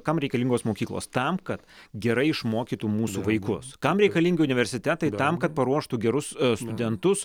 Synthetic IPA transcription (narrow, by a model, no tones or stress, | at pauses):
kɐmɾʲɛɪkɐlʲiŋɡoːsmoːkʲiːklˠo̰ːst̪ɐmkɐt̪ɡʲɛɾɐɪɪʃmoːkʲiːt̪uːmuːsuːʋɐɪkʊskɐmɾʲɛɪkɐlʲiːŋʲɡʲɪʊnʲɪʋʲɛɾʲsʲɪt̪ʲɛt̪ɐɪt̪ɐmkɐt̪̚pɐɾuɔʃt̪uɡʲɛɾʊsst̪ʊd̪ʲɛnt̪ʊs